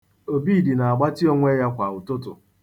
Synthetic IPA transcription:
o˨bi˦˨di˨na˨a˨ɡ͡ba˦ti˦o˦ŋʷe˦ja˦kʷa˨ʊ˨tʊ˦tʊ̰˨

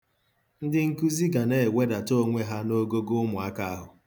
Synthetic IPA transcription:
n̩˦dɪ˦ŋ̩˦ku˦zi˦ɡa˨ne˨we˦da˨to˦ŋʷe˦ɦa˦no˦ɡo˦ɡo˦ʊ˦mʊ˨a˦ka˦a˦ɦʊ˨

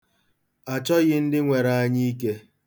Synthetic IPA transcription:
a˨t͡ʃɔ˦ɣɪ˦n̩˦dɪ˦ŋʷe˨ɾa˨a˦ɲi˦i˦ke˦

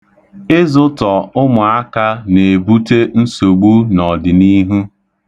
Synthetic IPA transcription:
ɪ˦zʊ˦tɔ˨ʊ˦mʊ˨a˦ka˦ne˨bu˦te˦n̩˦so˨ɡ͡bu˦nɔ˨dɪ˨ni˦ɦu˦

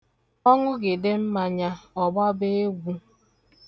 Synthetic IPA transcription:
ɔ˦ŋʷʊ˦ɡɪ˨dɪ˦m̩˦ma˨ɲa˦ɔ˨bɔ˦be˦e˦ɡʷu˦

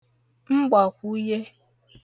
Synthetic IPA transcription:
ŋ͡m̩˦ɡ͡ba˨kʷu˦je˦

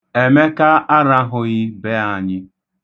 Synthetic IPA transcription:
e˨me˦ka˦a˦ɾa˦ɦʊ˨ɣi˦be˦a˨ɲɪ˦

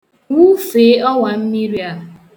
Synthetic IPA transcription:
wu˦fe˨˦ɔ˦wa˨m̩˦mi˦ɾi˦a˨

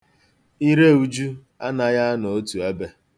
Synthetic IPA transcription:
i˦ɾe˦˨u˦d͡ʒu˦ | a˦na˨ja˦no˨o˦tu˨a˦be˦

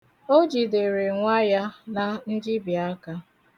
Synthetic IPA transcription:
o˦d͡ʒi˨de˨ɾe˨ŋʷa˦ja˦na˨n̩˦d͡ʒi˦bi˨a˦ka˦

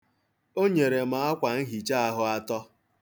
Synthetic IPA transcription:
o˦ɲe˨ɾe˨ma˨a˦kʷa˨n̩˦ɦi˨t͡ʃa˦a˦ɦʊ˦a˦tɔ˦

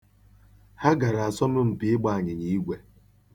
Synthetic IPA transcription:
ha˦ɡa˨ɾa˨a˨sɔ˦mʊ˦m̩˨pɪ˨ɪ˦ɡ͡ba˦˨a˨ɲɪ˨ɲi˦i˦ɡʷe˨

